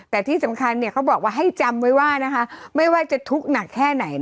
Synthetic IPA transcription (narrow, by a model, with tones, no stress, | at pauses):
t̪ɛː˨˩t̪ʰiː˥˩sa˩˦mkʰa˧nːi˥˩kʰa˦˥wbɔː˨˩k̚waː˥˩ɦa˥˩jt͡ɕa˧mwa˦˥jwaː˥˩na˦˥kʰa˦˥ma˥˩jwaː˥˩t͡ɕa˨˩t̪ʰu˦˥k̚na˨˩kʰːɛː˥˩na˩˦j